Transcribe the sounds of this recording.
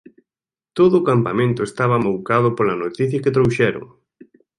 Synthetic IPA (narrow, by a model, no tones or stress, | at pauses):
t̪oðʊːkampamẽnt̪ʊest̪aβ̞ɐmowkaðʊpolɐnot̪iθjɐket̪ɾowʃɛɾo̰ŋ